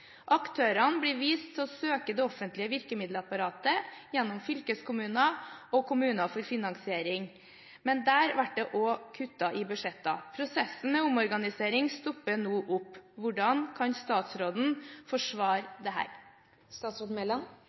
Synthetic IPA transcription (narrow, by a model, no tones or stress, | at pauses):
ʔɑkt̪ʰøːɾɑnbliːʋiːst̪ʰɔsøːkəd̪ɛɔfənt̪lɪəʋɪɾkəmɪd̪ləɑpɑɾɑːt̪əjɛnːʊmfʏlkəskʰʊmʉːnɑɔkʰʊmʉːnɑfɔɾfɪnɑŋsɪeːɾɪŋ | mɛnd̪æːɾʋæʈ̚d̪ɛʔɔkʰʉt̪ːɑʔɪbʉʂɛt̪ːɑ̰pʰɾʊsɛsn̩mɛʊmɔɾɡɑnɪseːɾɪŋst̪ɔpːənuːʔʊpːʋʊɖɑnkʰɑnst̪ɑːt̪sɾoːd̪n̩fɔʂʋɑːɾd̪ɛɦæ̰ːɾ | st̪ɑːt̪sɾoːd̪n̩mɛlːɑn